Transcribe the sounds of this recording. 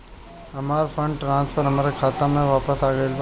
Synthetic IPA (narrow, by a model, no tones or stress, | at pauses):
ɐmaːɾfʰə̃ɳɖʈɾãːnspʰəɾɦɐmaːɾekʰaːt̪ãmẽʋaːpəsaːɡəel